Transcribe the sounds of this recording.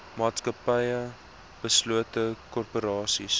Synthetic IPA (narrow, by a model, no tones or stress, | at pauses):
mɑːtskəpəjə | b̥əsluətəkɔrpoɾɑːsis